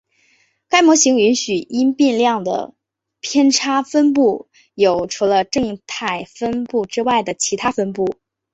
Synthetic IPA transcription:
ka˥ɪmwɔ˧˥ɕi˧˥ŋy˧˥nɕy˨˩i˥npi˥˧nljɑ˥˩ŋd̪ə̰˩ | pʰjɛ˥nʈ͡ʂʰa˥fə˥npu˥˩ | jo˨˩ʊʈ͡ʂʰu˧˥lə˧ʈ͡ʂɤ˥˧ŋt̪ʰa˥˩ɪfə˥npu˥˩ʈ͡ʂɻ̩˥wa˥˩ɪd̪ə˩t͡ɕʰi˧˥t̪ʰa˥fə˥npu˥˩

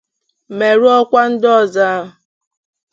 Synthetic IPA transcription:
me˨ɾu˦ɔ˦kʷa˦n̩˦dɔ˦˨za˦ɦʊ˨

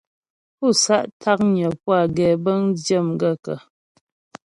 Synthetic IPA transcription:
pu˦˨sa˦ʔtʰa˦k̚ɲə˨pwa˦˨ɡɛː˨bə˦ŋd͡ʒjə˦˨mɡə˦˨kə̰˨

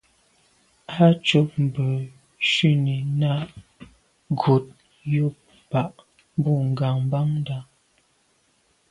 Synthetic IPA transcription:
a˦t͡ʃo˦p̚m̩˨bə˨ | ʃi˦˨ni˨na˦ʔ | ɡo˨t̚ | jo˦p̚ | pa˨ʔ | m˦bu˦˨ŋ̩˨ɡa˨ŋm˦ba˦ŋ˦da˦˨

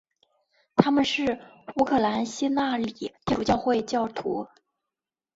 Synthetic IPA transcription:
t̪ʰa˥mə˨nʂɻ̩˥˩u˧˥kʰɤ˥˩la˧˥nɕi˥na˥˩li˨˩˦t̪jɛ˥˧ʈ͡ʂu˥˩t͡ɕjɑ˥˧ʊxwe˥˧ɪt͡ɕjɑ˥˩ʊt̪ʰṵ˧˥

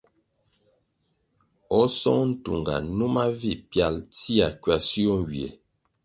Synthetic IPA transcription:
ɔ˦sɔ˦ŋn̩˦tṵ˨ŋɡa̰˨nu˦ma˦vi˦˨pja˨lti˦a˨kɥa˨si˦o˦ŋ˨ɡi˨e˨

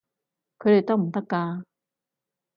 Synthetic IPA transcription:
kʰɵ˨˧˥de˨˩jt̪ɔ˥m̩˨˩t̪̬a˥kːaː˧

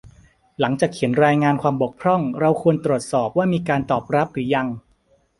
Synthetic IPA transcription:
la˩˦ŋt͡ɕaː˨˩k̚ʰːi˩˦ənɾaː˧jŋaː˧nkʰwaː˧mbo˨˩k̚pʰɾɔ˥˩ŋɾa˧wkʰu˧ənt̪ɾu˨˩ət̪̚sɔː˨˩p̚waː˥˩miː˧kaː˧nt̪ɔː˨˩p̚ɾa˦˥p̚ɾɯː˩˦ja˧ŋ

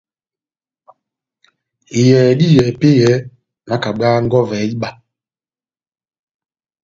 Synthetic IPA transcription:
i˨jɛː˨di˦jɛː˨pe˦jɛː˨˦ | na˦ka˨ɡ͡baː˦ŋ̩˦ɡɔ˦vɛː˨˦i˦ɓa˨

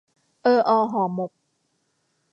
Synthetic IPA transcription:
ʔɤː˧ʔɔː˧ɦɔː˨˩˨mo˨˩k̚

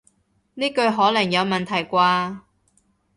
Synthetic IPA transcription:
niː˥kɵ˧ɥɦɔː˨˥lɐ˨˩ŋjɐ˨˧wmɐ˨nt̪ʰɐ˨˩jkʷaː˧

